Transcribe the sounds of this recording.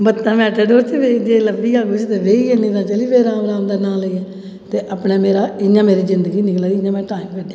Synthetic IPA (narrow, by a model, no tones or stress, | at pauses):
bət̪ːãːmɛːʈəɖoːɾt̪ʰeʋed͡ʒeːləbiːaːɡʊt͡ʃt̪eːʋeːienĩːt̪ãːt͡ʃəliːʋeːɾaːmɾaːmd̪aːnãːləiɛː | t̪eːʔəpnɛːmeːɾaːɪɲãːmeːɾiːzɪnd̪əɡiːnɪklaːiɪɲãːmɛ̃ːʈaːimpeːɖã